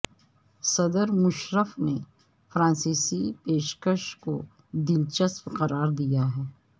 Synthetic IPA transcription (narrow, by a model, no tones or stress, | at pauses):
sɐd̪əɾmʊʃɾəfne | fɾãːnsiːsipeːʃkəʃko | d̪ɪlt͡ʃəspqɐɾaːɾd̪ijaɦɛː